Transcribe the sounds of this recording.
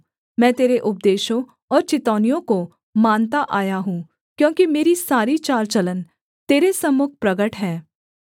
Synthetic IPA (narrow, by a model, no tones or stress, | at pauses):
mɛ̃ːt̪eːɾeʔʊp̚d̪eːʃõ | ɔːɾt͡ʃɪt̪ɔːnijõko | maːnt̪aʔaːjaɦũː | kjõːkimeːɾisaːɾit͡ʃaːɾt͡ʃələn | t̪eːɾesɐmːʊk̚ʰpɾɐɡəʈɦɛː